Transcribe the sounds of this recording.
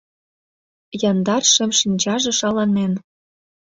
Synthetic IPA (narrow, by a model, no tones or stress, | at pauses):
jɑnd̪ɑrʃĕmʃinʲt͡ɕɑʒĕʃɑlɑnen